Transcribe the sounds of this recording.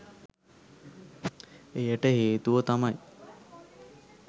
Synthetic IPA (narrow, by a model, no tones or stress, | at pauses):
ejəʈəheːt̪uʋət̪amaj